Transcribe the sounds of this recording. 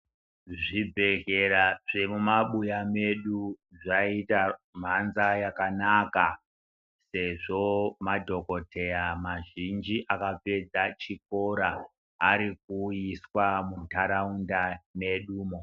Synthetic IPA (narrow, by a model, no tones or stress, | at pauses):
ʐibʱe̞ɣeɾaʐ̥emumaɓujame̞ɗuʐaitam̤anzajakanaka | se̞ʐo̞madʱo̞ko̞tʰe̞jamaʒind͡ʒiʔakap͡fe̞d͡zat͡ʃik̚o̞ɾaː | ɾik̚uiswamutaɾaundane̞ɗuːmo